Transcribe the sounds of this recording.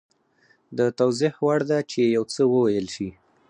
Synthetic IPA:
d̪ət̪awzɪhwaɽd̪at͡ʃejawt͡səwəwajəlʃi

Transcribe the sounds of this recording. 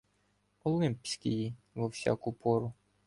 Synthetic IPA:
ɔlˠɪmpsʲkɪji | ʋɔwsʲa̰kʊpɔɾʊ

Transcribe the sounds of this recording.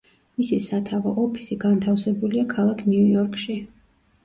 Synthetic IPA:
misisat̪ʰavaʔɔpʰi̥siɡant̪ʰafsɛbuliakʰalˠakʰniujɔɾkʰʃi

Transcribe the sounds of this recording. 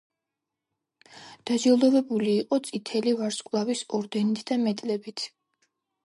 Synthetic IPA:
d̪̥ad͡ʒɛlˠɔvɛbuliːqʼɔt̪sʼit̪ʰɛlivaɾskʼlˠavisɔɾd̪ɛnit̪ʰd̪amɛt̪ʼlɛbit̪ʰ

